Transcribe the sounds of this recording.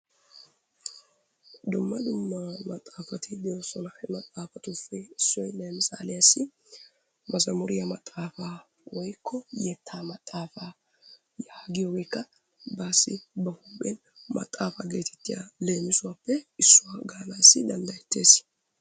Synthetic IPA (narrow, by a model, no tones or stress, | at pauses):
d̪ʊmːɐd̪ʊmːɐmɐt̪ʼːaːfɐt̪ʰɪd̪ɪjoːsɔnɐhɛmɐt̪ʼːaːfɐt̪ʊfɪɪsːɔjleːmɪsa̰ːlɛjɐsːɪ | mɐzɐmʊɾɪjɐmɐt̪ʼːaːfa | wɔjkːɔjɛt̪ʰːaːmɐt̪ʼːaːfa | jaːɡɪjɔɡɔjkːɐ | baːsːɪ̰bɐhʊbʼen | mɐ̰t̪ʼːaːfɐɡe̞ːt̪ʰɛ̥t̪ːɪjɐ̰le̞ːmɪsʊwapːɛɪsːʊwaɡaːlaɪsːɪd̪ɐnd̪ɐjɛt̪ːe̞ːs